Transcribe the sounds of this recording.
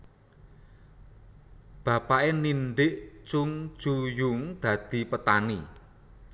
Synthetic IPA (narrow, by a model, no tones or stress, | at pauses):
b̥ä̤paʔeninɖɪʔt͡ʃʊŋ̥d͡ʒ̥ujʊŋd̪̥ä̤d̪̥i̤pət̪ani